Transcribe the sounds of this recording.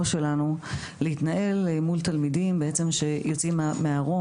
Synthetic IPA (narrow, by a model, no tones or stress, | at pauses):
ʃe̞lanu | leit̪naʔe̞lemult̪almidimbeet͡se̞mʃe̞jot͡simameaʁo̞